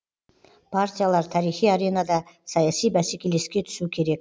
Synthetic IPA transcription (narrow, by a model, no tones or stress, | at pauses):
pʰaɾt̪ʲijalˠɑɾt̪ʰɑɾijχijɑɾe̞nɑd̪ɑsɑjɑsijbæse̞kʲe̞le̞skʲe̞t̪ʰʏ̥sukʲʰe̞ɾe̞k̚ʲ